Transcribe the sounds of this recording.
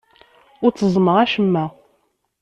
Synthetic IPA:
ʊɾt͡sːəzˤməʁæʃəmːæ

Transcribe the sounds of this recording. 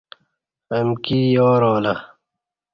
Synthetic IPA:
ɐmkijoːɾoːlɐ

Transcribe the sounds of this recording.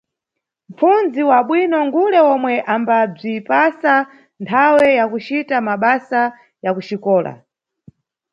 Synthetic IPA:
m̩funziwaɓwinɔŋɡulɛwɔmwɛʔambab͡ʐipasa | ntʰawɛjakut͡ʃitamaɓasa | jakut͡ʃikɔːla̰

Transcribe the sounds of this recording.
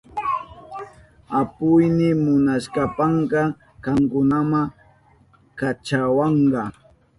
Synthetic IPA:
apʊjnɪmʊnaʃkapɑɴɢɑ | kɑŋkʊnama | kat͡ʃawɑɴɢɑ

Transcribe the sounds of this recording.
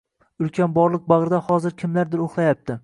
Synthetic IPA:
ʊlkʲʰanbɒɾlˠɨk̚bɑʁɾɪd̪ahɒzɪɾkʲʰɪmlaɾd̪ɪɾoχlˠajap̚t̪ʰɪ

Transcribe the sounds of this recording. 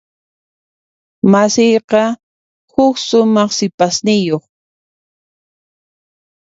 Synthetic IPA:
masijqɑ | hʊkʃʊmɑχsɪpasnɪjoχ

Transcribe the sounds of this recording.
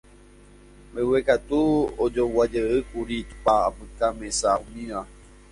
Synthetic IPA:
mewekat̪uod͡ʒowad͡ʒəɨkuɾit̪u̥paːpɨ̃kamesaũmĩʋa

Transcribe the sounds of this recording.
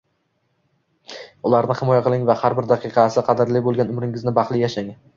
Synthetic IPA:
ʊlˠaɾnɪhɪmɒjaqʰɨlˠɪŋvahaɾbɪɾd̪ɑqʰɨqʰɑsɪqʰɑd̪ɪɾlɪbolˠɡʲanʊmɾɪŋɪznɪbɑχlˠɪjaʃaŋ

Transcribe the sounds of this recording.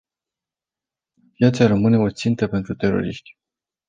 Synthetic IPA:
pjat̪saɾəmɨne̞o̞t̪sint̪əpe̞nt̪ɾut̪e̞ɾo̞̰ɾḭʃt̪ʲ

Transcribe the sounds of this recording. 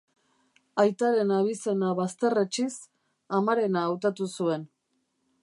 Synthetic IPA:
ajt̪aɾe̞naβ̞ise̞naβast̪e̞ret͡ʃis | amaɾe̞naːwt̪at̪usue̞n

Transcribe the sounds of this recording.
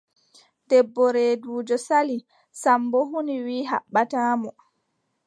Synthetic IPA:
dɛbːɔɾeːduːd͡ʒɔsali | sambɔɦuniwiːɦa̰ɓːataːmɔ

